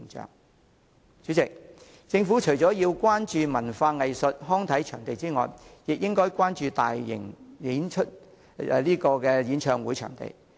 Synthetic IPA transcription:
ŋt͡ʃœ̰ː˨˩ŋ | t͡ʃyː˨˥t͡sɪ˨k̚ | t͡sɪ˧ŋfuː˨˥t͡ʃʰɵ˨˩jt͡sɔː˨˥jiː˧wkʷaː˥nt͡ʃyː˨˧mɐ˨˩nfaː˧ŋɐ˨jsɵ˨t̚ɦɔː˥ŋt̪ʰɐ˨˥jt͡ʃʰœː˨˩ŋt̪e˨jt͡siː˥ŋɔ̰ː˨˩jjɪ˨k̚jɪ˥ŋkɔː˥jkʷwaː˥nt͡ʃyː˨˧t̪a̰ː˨jːɪ̰˨˩ŋliː˨˥nt͡ʃʰɵ˥t̚ː | liː˥kɔː˧kɛː˧jiː˨˥nt͡ʃʰœː˨ŋwuː˨˥jt͡ʃʰœ̰ː˨˩ŋt̪ḛ˨j

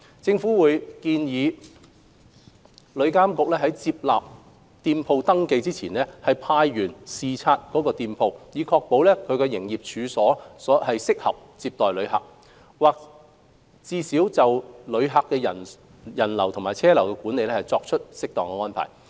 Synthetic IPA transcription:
t͡sɪ˧ŋfu˨˥wuː˨˧jkiː˧njiː˨˧ | lɵ˨˧ɥkaː˥mkʊ˨k̚lɛː˥ɦɐ˨˥jt͡siː˧p̚laː˨p̚ | t̪iː˧npʰo˧wt̪ɐ˥ŋke˧jt͡siː˥t͡sʰiː˨˩nlɛ˥hɐ˨jpʰaː˧jːyː˨˩nsiː˨t͡sʰaː˧t̚kɔː˨˥kɔː˧t̪iː˧mpʰo˧wjiː˨˧kʰɔː˧k̚po˨˥wlɛː˥kʰɵ˧ɥkɛː˧jɪ˨˩ŋjiː˨˩p̚t͡ʃʰyː˨˧sɔː˨˥sɔː˨˥hɐ˨jsɪ˥k̚hɐ̰˨p̚t͡siː˧p̚t̪ɔː˨jlɵ˨˧ɥɦɐ̰˨k̚ | waː˨k̚ | t͡siː˧siː˨˥wt͡sɐ˨wlɵ˨˧ɥɦa˨kːɛː˧jɐ˨ | jɐ˨˩nlɐ˨˩wt̪ʰʊ˨˩ŋmaː˨jt͡sʰɛː˥lɐ˨˩wkɛː˧kuː˨˥ne˨jlɛː˥hɐ˨jt͡sɔː˧k̚t͡ʃʰɵ˥t̚sɪ˥k̚t̪ɔː˨ŋkɛ˧ŋɔː˥npʰa̰ː˨˩j

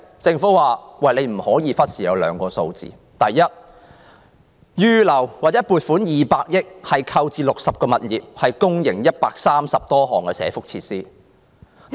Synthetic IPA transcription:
t͡sɪ˧ŋfu˨˥waː˨˩wɐ˨jle˨˧jm̩˨˩hɔː˨˥jiː˧fɐ˥t̚sʰiː˨˩jɐ˨˧wlœ̰ː˨˧ŋkɔː˧so˧wt͡sḭː˨ | t̪ɐ˨˩jjɐ˥t̚ | jyː˥lɐ˨˩wwaː˨˩t͡sːɛ˨˥puː˨t̚fuː˨˥njiː˨paː˧k̚jɪ˥k̚hɐ˨jkʰɐ˧wt͡siː˧lʊ˨k̚sɐ˨p̚kɔː˧mɐ˨t̚jiː˨˩p̚hɐ˨jkʊ˥ŋjɪ˨˩ŋjɐ˥t̚paː˧k̚saː˥msɐ˨p̚t̪ɔː˥ɦɔː˨˩ŋkɛ˧sɛ̰ː˨˧˥fʊ˥k̚t͡sʰiː˧t̚siː˥

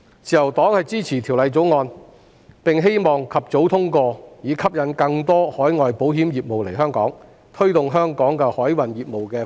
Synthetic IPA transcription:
t͡sʰiː˨jɐ˨˩wt̪ɔː˨˥ŋhɐ˨jt͡siː˥t͡sʰiː˨˩t̪ʰi˨˩wlɐ˨˧jt͡so˨˥wŋɔː˧n | pɪ˨ŋɦe˥jmɔː˨˩ŋkʰɐ˨p̚t͡so˨˥wt̪ʰʊ˥ŋkɔː˧jiː˨˧˥kʰɐ˥p̚jɐ˨˥nkɐ˧ŋt̪ɔː˥hɔː˨˥jŋɔː˨jpo˨˥wɦiː˨˥mjiː˨p̚mo˨wle˨˩jɦœː˥ŋkɔː˨˥ŋ | t̪ʰɵ˥ɥt̪ʊ˨ŋɦœː˥ŋkɔː˨˥ŋkɛː˧hɔː˨˥jwɐ˨˩njiː˨p̚mo˨wkɛː˧

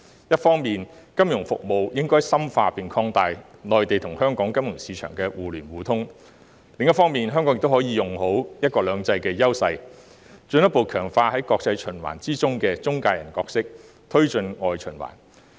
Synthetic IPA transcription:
jɐ˥t̚fɔː˥ŋmiː˨nkɐ˥mjʊ˨˩ŋfʊ̰˨k̚mo˨wjɪ˥ŋkɔː˥jsɐ˥mfaː˧piː˨nkʰɔː˧ŋt̪aː˧jlɔː˨˩jt̪e˨jt̪ʰʊ˨˩ŋhœː˥ŋkɔː˨˥ŋkɐ˥mjʊ˨˩ŋsiː˨˧t͡ʃʰœ̰ː˨˩ŋkɛː˧wuː˨lyː˨˩nwuː˨˧t̪ʰʊ˥ŋ | lɪ˨ŋjɐ˥tfɔː˥ŋmiː˨nɦœː˥ŋkːɔ˨˥ŋɪ˨kt̪o˥hɔː˨˧˥jiː˨˧jʊ˨ŋɦo˨˥wjɐ˥t̚kɔː˧lœː˨˧ŋt͡sɐ˧jkɛː˧jɐ˥wsɐ˧j | t͡ʃɵ˧njɐ˥tpo˨wkʰœː˨˩ŋfaː˧hɐ˨˥jkɔː˧k̚t͡sɐ˧jt͡ʃʰɵ˨˩nwa̰ː˨˩nt͡siː˥t͡sʊ˥ŋkɛː˧t͡sʊ˥ŋkaː˧jɐ˨˩nkɔː˧k̚sɪ˥k̚ | t̪ʰɵ˥ɥt͡ʃɵ˧nŋɔː˨jt͡ʃʰɵ˨˩nwa̰ː˨˩n

